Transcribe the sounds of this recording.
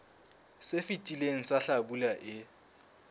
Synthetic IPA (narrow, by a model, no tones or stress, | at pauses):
sefitʼileŋ̩saɬabulaʔɪ